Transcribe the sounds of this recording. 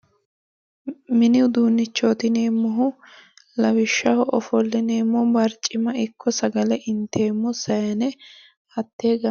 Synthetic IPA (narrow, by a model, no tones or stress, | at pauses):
mɪnɪʊd̪uːnːɪt͡ʃːoːt̪ɪneːmːɔɦʊ | lɐwɪʃːɐhɔʔɔfɔlːɪneːmːɔbɐɾt͡ʃʼːɪmɐɪkːɔsɐɡɐlɛʔɪnt̪ʰe̞ːmːɔsɐjɐnɛ | ɐt̪ːe̞ːɡɐ